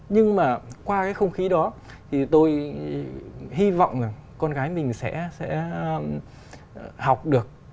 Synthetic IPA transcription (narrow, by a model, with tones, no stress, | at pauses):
ɲɨ˧ŋmaː˨˩kwaː˧kaː˨˦jxə˧wŋ͡mxi˨˦ɗɔ˨˦ | t̪ʰi˨˩t̪o˧j | ɦi˧vɔ̰˧˨wŋ͡ma˨˩ŋkɔ˧nɣaː˨˦jmï˨˩ŋ̟sɛ̰˧˥sɛ̰˧˥˧ | ha˨˩wk͡p̚ɗɨ˨˩ək̚